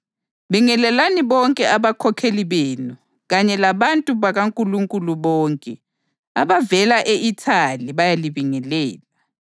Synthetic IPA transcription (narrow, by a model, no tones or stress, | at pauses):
βiŋɛlɛlaniβɔŋkʼɛaβakʰɔkʰeliβeːnu | ɣaɲɛlaβantʼuβaɣaŋkʼuluŋkʼuluβɔːŋkʼɛ | aβavɛlaʔeʔitʰaliβajaliβiŋɛlɛːla